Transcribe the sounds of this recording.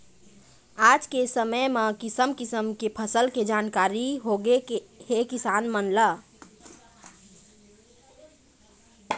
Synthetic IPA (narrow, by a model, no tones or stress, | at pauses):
ad͡ʒkesəməjmekisəmkisəmkepʰəsəlked͡ʒankaɾiɦoɡekehekisanmənlə